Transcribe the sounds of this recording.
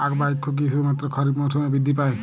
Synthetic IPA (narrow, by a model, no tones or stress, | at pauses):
akbajkʰːuk̬isumat̪ɾɔkʰɔɾibmɔtʰɔmabid̪ʱːipaj